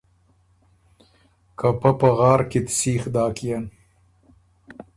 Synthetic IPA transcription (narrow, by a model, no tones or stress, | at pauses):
kɐpɐpɐɣɑːɾkit̪siːxd̪ɑːkijan